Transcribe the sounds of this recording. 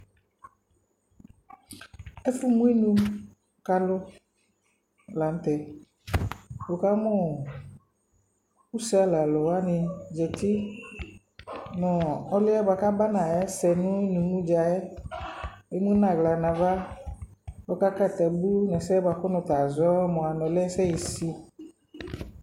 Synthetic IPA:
ɛ˦fʊ˦mũ˦i˦nũ˦ | ka˧lʊ˦˨ | la˨n˨˦t̪ɛ˨ | bo˨ka˦mɔ˦ | u˦sɛ˦a˦la˨lɔ˨wa˦nɪ˧d͡ʒɛ˨t̪i˦ | nɔ̃˨ɔ˦lɪ˦ɛ˦ba˧ka˦ba˦nã˨jɛ˦sɛ˧nũ˦i˦nũ˨mũ˦d͡ʒa˨jɛ˦ | e˦mũ˦nã˨ɡla˨nã˨va˦ | bɔ˦ka˦ka˦˨t̪ɛ˨bu˦nɛ˨sɛ˦ba˨kʊ˦nʊ̃˨t̪a˨zɔ˦mɔ̃˨a˨nɔ̃˨lɛ˦sɛ˦ji˨si˧

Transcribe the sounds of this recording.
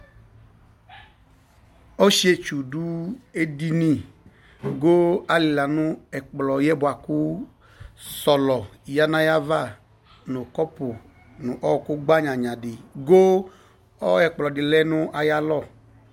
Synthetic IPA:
o˦ʃi˦e˦t͡ʃu˨du˦e˦di˦nĩ˦ | ɡo˦a˨li˨la˨nʊ̃˦ɛ˨k͡plɔ˨jɛ˦bʊ˨a˨kʊ˦ | sɔ˨lɔ˨ja˦nã˦ja˦va˦˨ | nʊ̃˨kɔ˦pʊ˨ | nʊ̃˨ʔɔ˦wɔ˨kʊ˦ɡ͡ba˦ɲã˨ɲã˨dɪ˨ɡo˦ | ɔ˦ɛ˨k͡plɔ˨dɪ˨lɛ˦nʊ̃˦ʔa˨ja˦lɔ˦˨

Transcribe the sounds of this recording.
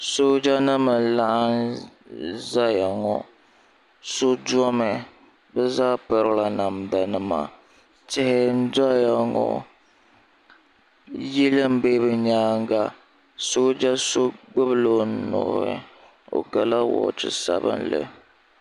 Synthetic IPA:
so˦d͡ʒa˦nɨ˦mɨ˨la˦ʔa˦n | za˦ja˨ŋɔ˦ | so˦du˦ɔ˦mɛ˨ | bɛ˦zaː˦pɨ˨ɾla˨na˨mda˨nɨ˦ma̰˨ | tɪ˦hɪ˦n̩˦da˦ja˨ŋɔ̰˦˨ | ji˦lɨ˦m̩˦beː˦bɨ˨ɲaː˦ŋ˦ɡa˦ | so˦d͡ʒa˦so˦ɡ͡bɨ˦bɨ˦lo˦nɔ̰˨˦˨ɾɨ̰˦ | o̰˨ɡa˨la˦wɔ̰˨t͡ʃɨ̰˨sa̰˦bɨ̰˦nlɨ̰˦

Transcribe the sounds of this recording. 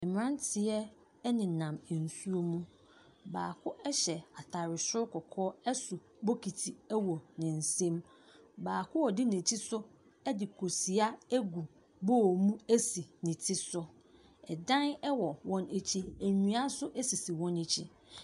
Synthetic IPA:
ɛ˨mɪ̃˨ɾã˦n˦tʰɪ˨ɛ˦ | nɪ̃˨nã˨mɛ˨n̩˨su˦o˦mũ˦ | ba̰ː˨kʰʊ˦ɛ˦ɕɛ˨a˨tʰa˨ɾɪ˨sʊ˦kʰɔ˨kʰɔː˦ɛ˦sʊ˨ | bo˦kʰi˨tʰi˨ɛ˦wɔ˨nɪ̃˨n̩˨sẽ˦m | baː˨kʰʊ˦wɔ˨dɪ˦nẽ˨t͡ɕʰi˦sʊ˦ | ɛ˦dɪ˨kʰo˨si˨a˦æ˦ɡu˨ | bɔː˦˨mũ˦æ˦si˨nɪ̃˨tʰɪ˦sʊ˦ | ɛ˨dã˦nɛ˦wɔ˨wɔ̃˦ne˨t͡ɕʰi˦æ˨ɲũ˨a˦sʊ˦ʔæ˦si˨si˨wɔ̃˦ne˨t͡ɕʰi˦

